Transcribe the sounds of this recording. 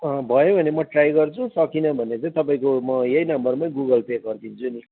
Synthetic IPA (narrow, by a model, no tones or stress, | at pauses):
ʌbʱʌjobʱʌnemʌʈrajɡʌrt͡sʰũsʌkinʌbʱʌnet͡saĩt̪ʌpaĩkomʌjejnʌmbʌrmãɡuɡʌlpekɡʌrd̪ʰint͡sʰuni